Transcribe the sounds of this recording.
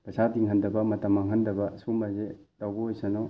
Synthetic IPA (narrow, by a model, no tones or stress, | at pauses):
pɐsadiŋɐndɐbɐmɐtɐmːɐŋɐndɐbɐsuŋbazetawbɐojsanɔ